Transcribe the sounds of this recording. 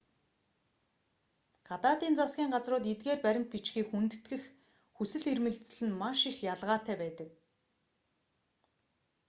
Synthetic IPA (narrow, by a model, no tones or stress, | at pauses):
ɢ̥at̪aːt̪iːnt͡sasɡʲiːŋɢat͡srʊːt̪et̪ɡeːrpæɾʲɪ̆mt̪̚pit͡ɕxiːkxunt̪̆t̪ɡɘ̆x | xusɘ̆ɮermɘ̆ɮt͡s̆ɮɘ̆nmaʃixjaɮʁaːt̪æːpæːt̪ə̆k̚